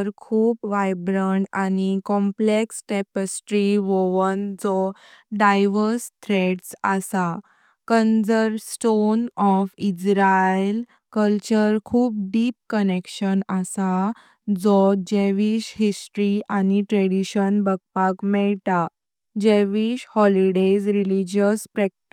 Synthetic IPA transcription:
ɾkʰuːpʋajbɾəɳɖanikɔ̃mpleksʈɛpəsʈɾiʋɔʋənd͡zɔ | ɖajʋəɾst̪ʰɾeɖsa̰sa | kənd͡zəɾsʈonɔfid͡ʑɾael | kəlt͡ɕəɾkʰuːp̚ɖip̚kənekɕənasa | d͡zɔd͡ʑeʋiɕɦisʈɾiʔaniʈɾɛɽiɕənbəɡ̚pakmɛɭt̪a | d͡ʑeʋiɕhɔliɖed͡zɾilid͡ʑəspɾɛk̚ʈi

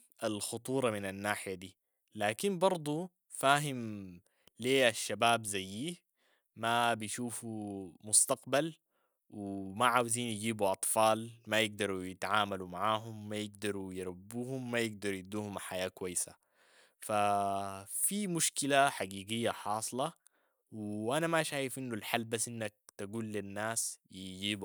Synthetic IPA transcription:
ʔalxʊt̪ˤuːɾˤɑminanːaːħɪjad̪iː | laːkinbɑɾˤd̪ˤu | faːɦim | leːʔaʃːabaːbzajːiːh | mabijʃuːfumʊst̪ɑqbal | wɪmaʕaːwziːnjɪɡiːbuʔɑt̪ˤfɑːlmajɪɡ̚d̪ɑɾˤujɪt̪ʕaːmalumaʕaːɦumːajɪɡ̚d̪ɑɾˤujɪɾˤabːuːhumːajɪɡ̚d̪ɑɾˤjid̪uːhumħajaːkwajːsa̰ | fa | fimuʃkilaħaɡiːɡɪjːaħɑːsˤlɑ | wʔanamaʃaːjɪfʔinːulħalːbasːʔinːak̚t̪aɡuːlːinːaːsjid͡ʒiːbu

